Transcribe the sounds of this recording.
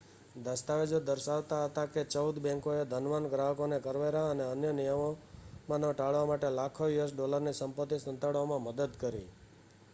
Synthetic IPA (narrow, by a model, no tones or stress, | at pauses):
d̪əst̪aʋed͡ʒod̪əɾʃaʋt̪aɦət̪aket͡ʃəud̪bɛ̃ŋkoed̪ʱənʋanɡɾaɦəkonekəɾʋeɾaəneənjənijəmomãnõʈaɭʋamaʈelakʰoʋiʋəsɖɔləɾnisəmpət̪ːisənt̪əɽʋamãməd̪əd̪kəɾḭ